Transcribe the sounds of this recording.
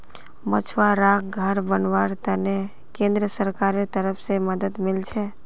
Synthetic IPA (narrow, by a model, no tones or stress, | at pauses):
mət͡ʃʰʋaɾakɡʱəɾbənʋaɾt̪əne | kẽnd̪ɾəsəɾkaɾet̪əɾəpʰseməd̪əd̪mɪlt͡ʃʰe